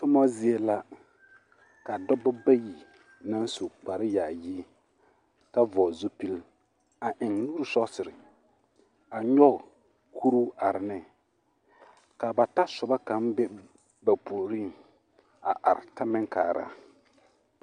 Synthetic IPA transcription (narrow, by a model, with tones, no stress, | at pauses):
tʊ˦mɔ˦zɪ˦e˦la˦ | ka˨dɔ˦bɔ˦ba˦ji˨ | na˦n˦so˨k͡pa˨ɾɪ˦jaː˨jiː˦ | ka˦vɔː˨zo˦pi˦l | a˨ʔɪ˨ŋnuː˦ɾu˨sɔ˦sɪ˨ɾɪ˨ | a˨ɲɔ˦˨ | kʰu˦ɾu˦a˨ɾɪ˨nɪ˦ | ka˨ba˨ta˦sʊ˨ba˦ka˨m˦bɛ˦ | ba˨poː˨ɾi˦˨ | a˨ʔa˨ɾɪ˨ta˦mɪ˦ŋka̰ː˨ɾa̰˦